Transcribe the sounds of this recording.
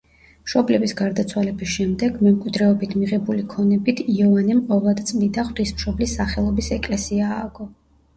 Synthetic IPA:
mʃɔblɛbisɡaɾd̪at̪sʰwalɛbisʃɛmd̪ɛɡmɛmkʼwid̪ɾɛɔbit̪ʰmiʁɛbulikʰɔnɛbit̪ʰiɔvanimqʼɔvlˠad̪t̪sʼlid̪aχwt̪ismʃɔblisːaχɛlˠɔbisɛkʼlɛsiaːɡ̥ɔ

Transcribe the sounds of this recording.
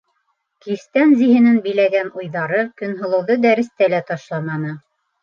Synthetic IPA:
kist̪ænziɦɘ̆nɘnbɘ̆læɡænujðɑɾɤkɵ̆nɦɤ̆lˠɤ̆wðɤd̪æɾɘ̆st̪ælæt̪ɑʃlˠɑmɑnɤ

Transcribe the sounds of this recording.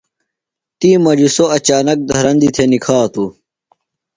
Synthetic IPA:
t̪iːmɐd͡ʑisoɐt͡ɕaːnɐk̚d̪ɐɦɾɐnd̪it̪ʰenikʰaːt̪u

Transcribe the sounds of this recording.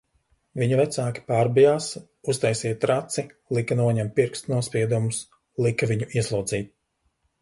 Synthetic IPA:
viɲuvɛt̪saːkʲi̥paːɾbijaːs | ust̪ajsiɛtt̪ɾat̪silˠikanuɔɲɛmpiɾkst̪nuɔspiɛd̪umus | lˠikaviɲuʔiɛslˠuːd̪ziːt̪̚

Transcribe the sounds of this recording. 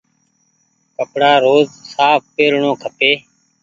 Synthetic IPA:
kəpɽaːɾoːzsaːp̚peːɾɳõːkʰəpeː

